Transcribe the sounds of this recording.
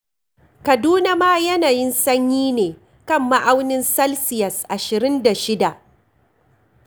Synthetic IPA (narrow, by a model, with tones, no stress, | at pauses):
kɐ˨duː˦na˦maː˦jɐ˦naː˨jɪ˦nsɐ˦ɲjiː˦neː˨ | kɐ˦˨mːa˦ʔa˦wnɪ˦nsɐ˦lsɪ˨jɐ˨sʔa˨ʃɪ˨ɾɪ˦nda˨ʃɪ˦da˨ʔ